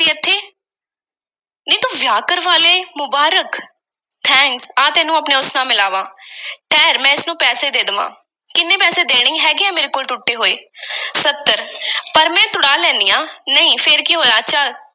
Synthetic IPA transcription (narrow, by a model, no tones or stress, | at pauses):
t̪iːət̪ʰːeː | nəĩːt̪oːʋjaːkəɾʋaːleːmʊbaːɾək | t̪ʰɛ̃ːŋksaːt̪ɛːnũːapneːʊsnãːmɪlaːʋãːʈʰɛːɾmɛ̃ːɪsnũːpɛːseːd̪eːd̪ʋã̰ː | kɪnːẽːpɛːseːd̪eːɽ̃ĩːɦɛːɡɪaːmeːɾeːkoːlʈʊʈːeːɦoːeːsət̪ːəɾpəɾmɛ̃ːt̪ʊɽaːlɛ̃ːnd̪ijãːnəĩːpʰɪɾkiɦoːjaːʃaː